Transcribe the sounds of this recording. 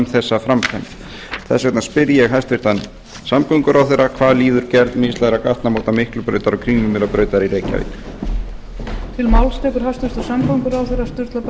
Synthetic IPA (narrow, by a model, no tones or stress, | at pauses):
mθɛsːafɾamkʰa̰n | θɛ̰svɛt̪naspɪɾjɛɣɦast̪vɪɾ̥t̪an | samkœŋkʏɾʔawθerːakʰvaːðliːðʏɾ̥cɛɾt̪mɪst̪laðɾakaht̪namoːwt̪amɪhklʏpɾœ̰ːɥt̪aɾɔkʰɾiːmʏmɪlapɾœːɥt̪aɾiɾeːjca̰vḭk | t̪ʰɪlmawlst̪ɛːkʏɾ̥hajst̪vɪɾ̥t̪asamkəŋkʏɾawθejrast̪ʏɾ̥t̪lap